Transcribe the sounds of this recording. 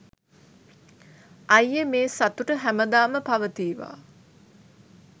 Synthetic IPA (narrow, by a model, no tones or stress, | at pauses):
ɐjːəmeːsat̪uʈəɦæməd̪aːməpaʋət̪iːʋa̰ː